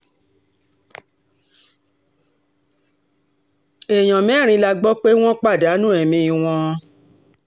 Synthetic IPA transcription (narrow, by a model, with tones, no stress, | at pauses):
e˨j̃ɔ̃˨mɛ̃˨˦˨ɾ̃ĩ˧˦la˧ɡ͡bɔ˦k͡pe˦w̃ɔ̃˦k͡pa˦˨da˨˦nũ˦ɛ˨mĩ˧i˨w̃ɔ̃˧